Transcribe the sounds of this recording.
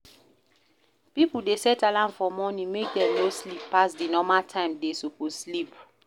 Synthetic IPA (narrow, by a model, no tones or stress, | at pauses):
pipudesɛtalãnfɔmɔnĩŋmek̚dɛ̃mloslipːasdinɔmaltʰãɪ̃mdesokoslip